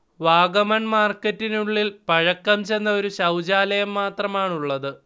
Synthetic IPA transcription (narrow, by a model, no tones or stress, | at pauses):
ʋaːɡɐmɐɳmaːrkːɐtːinuɭːilpɐɻɐkːɐmt͡ɕenːɐo̞ɾuɕɐwd͡ʑaːlɐjɐmːaːt̪rɐmaːɳuɭːɐðɨ